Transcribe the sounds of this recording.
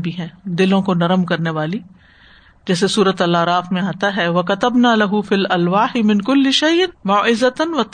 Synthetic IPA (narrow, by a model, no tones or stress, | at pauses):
bʱiɦɛ̃ːd̪ɪlõkonɐɾəmkɐɾneʋaːli | d͡ʒɛːs̬esuːɾət̪ɐlaːɾaːfmẽaːt̪aɦɛʋɐkɐt̪ɐbnaːlɐɦʊfiːlɐlʋaːħɪmɪ̃nkʊlːɪʃɐjnmaːʔɪzɐt̪nʋɐt̪